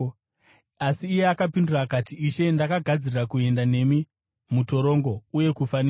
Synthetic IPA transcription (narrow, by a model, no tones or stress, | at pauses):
asiːje̞akapindurakatiiʃe̞ndakaɡʱad͡zirirakue̞ndane̞mi | muto̞ɾo̞ŋɡo̞uje̞kufania